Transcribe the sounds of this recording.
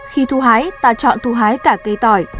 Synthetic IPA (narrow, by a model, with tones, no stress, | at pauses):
xi˧t̪ʰu˧ɦaː˨˦jt̪a̰ː˧˨t͡ɕɔ̰˧˨nt̪ʰu˧ɦaː˨˦jkaː˧˩kə˧jt̪ɔ˧˩j